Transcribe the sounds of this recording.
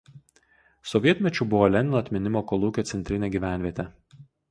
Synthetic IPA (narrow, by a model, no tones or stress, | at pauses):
sɔʋʲiɛt̪ʲmʲɛt͡ʃʲʊˑbʊʋoːlʲɛnʲɪnoːɐt̪ʲmʲɪnʲɪmoːkolˠuːkʲoːt̪sʲɛnʲt̪ʲɾʲɪnʲeːɡʲiːʋʲæˑnʲʋʲiɛt̪ʲɛ